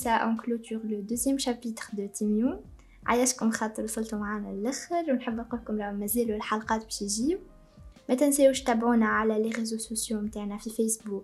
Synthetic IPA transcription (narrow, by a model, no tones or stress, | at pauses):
saʔɑ̃klot̪yːʁləd̪øzjɛmʃæpiːt̪ɾd̪ət̪ʰimjuː | ʕajæʃkʊmxɑt̪ˤːəɾwsˤɑlt̪umʕaːnælæxəɾwnħəbːænquːlkʊmɾamːæzɛːlɪlħɑlqɑːt̪̚bɛʃiʒiːw | mæt̪ɪnsɛwʃt̪æbʕuːnaʕalæleʁezososjomt̪aːʕnæfifɛsbuːk